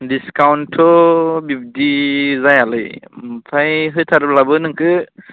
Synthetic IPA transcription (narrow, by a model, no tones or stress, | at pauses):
diskawnʈʰɔbibd̪izajalɯjmtʰajɦɯjt̪ʰaɾblabɯnɯŋkɯ